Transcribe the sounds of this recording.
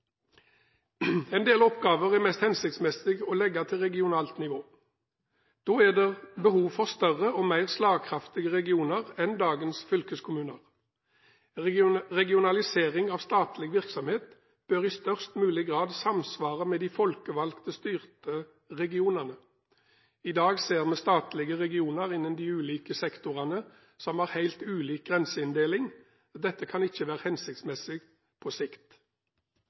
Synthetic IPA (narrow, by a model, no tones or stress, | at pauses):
ɛɪnd̪eːlɔpɡɑːʋəʁæmɛst̪hɛnsɪk̚t̪smɛsɪɡɔːlɛɡːɑt̪ʰɪlʁɛɡɪʊnɑːlt̪nɪʋoː | d̪̥oːæd̪ɛːʁbəhuːʋfɔʁst̪œʁəoːmæɪʁslɑːɡkʰʁɑft̪ɪɡəʁɛɡɪuːnəʁɛnd̪ɑːɡənsfʏlkəskʰʊmʉːnəʁ | ʁɛɡɪʊnɑlɪseːʁɪŋɑːʋst̪ɑːt̪lɪɡʋɪʁksɔmheːt̪ | b̥øːʁɪst̪œʁst̪mʉːlɪɡʁɑːd̪sɑmsʋɑːʁəmɛd̪ifɔlkəʋɑlkt̪əst̪yːʁt̪ə | ʁɛɡɪuːnəʁnə | ɪd̪ɑːɡseːʁmɛst̪ɑːt̪lɪɡəʁɛɡɪuːnəʁɪnːənd̪iːʉːliːkəsɛkt̪ʊʁɑnə | sɔmæːʁhæɪlt̪ʉːliːk̚ɡʁɛnsəɪnd̪eːlɪŋ | d̪ɛt̪ːəkʰɑnɪçːəʋæːʁəhɛnsɪkt̪smɛsɪɡ | pʰoːsɪkt̪